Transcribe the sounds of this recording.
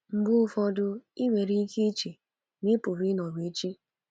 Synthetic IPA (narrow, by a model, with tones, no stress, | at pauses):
m̩˨˦bʊ˦fɔ˦dʊ˦i˦ŋʷe˨ɾi˦kʰe˦t͡ʃi˨ | mi˦pʊ˨ɾi˦nɔ˨ɡe˨˦t͡ʃi˦